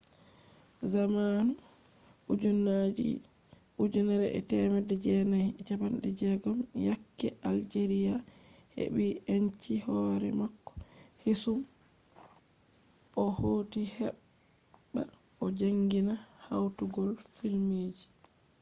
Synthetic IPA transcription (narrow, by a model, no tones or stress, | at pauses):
zamanu | ud͡ʒunːad͡ʒḭ | ud͡ʒunaɾɛʔɛ̰tɛmɛdɛd͡ʒɛnajt͡ʃabanɗɛd͡ʒɛɡɔmjakːɛʔald͡ʒeɾija | hḛɓient͡ʃihɔɾɛ̰makːɔ̥ | hisum | ɔhoːtihɛɓː | a̰ | ɔd͡ʒaŋɡina | hawtuɡɔlfilmeːd͡ʒi